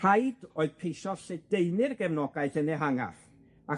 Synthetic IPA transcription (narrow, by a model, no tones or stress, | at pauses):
rajdoːɨðpʰejʃɔsed̥ejnɪrɡɛvnɔɡaɨθənɛɦaŋa̰θ | a